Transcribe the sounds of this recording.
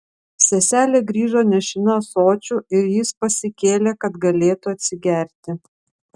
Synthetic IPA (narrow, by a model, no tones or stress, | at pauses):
sʲɛsʲæːlʲeːɡɾʲiːʒoːnʲɛʃʲɪnɐsoːt͡ʃʲuɪɾjɪspɐsʲɪkʲeːlʲeːkɐt̪ɡɐlʲeːt̪uɐt̪ʲsʲɪɡʲæˑɾʲt̪ʲɪ